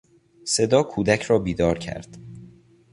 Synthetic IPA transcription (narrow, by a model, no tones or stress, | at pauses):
se̞d̪ɒːkʰuːd̪æcʰɾɒːbiːd̪ɒːɾcʰæ̰ɾd̪̥